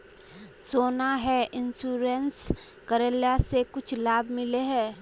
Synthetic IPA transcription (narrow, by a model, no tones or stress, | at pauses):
soːnaɦɛʔɪnsuːɾens | kəɾeljasekʊt͡ʃʰlaːbmɪleɦɛː